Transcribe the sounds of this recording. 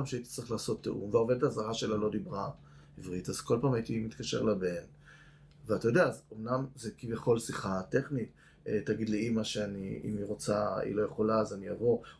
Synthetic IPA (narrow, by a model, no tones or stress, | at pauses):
amʃeait̪i̥t͡sʁiχlaːso̞t̪ːḛʔṵmveaove̞d̪etazaʁaʃe̞lalo̞d̪ibʁa | ivʁitaz̥ko̞lpaːmaitimit̪kaʃe̞̰ʁlabe̞n | veatajo̞deaːzomnamzekivjeχo̞lsiχate̞χnit | etaɡid̪leimaʃeanḭḭmiʁo̞t͡saḭlo̞je̞χo̞laːzanijavo̞